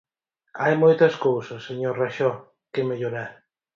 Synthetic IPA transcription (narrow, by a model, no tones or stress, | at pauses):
ajmojt̪ɐskowsɐsːeɲoɾraʃɔ | kemeʎoɾaɾ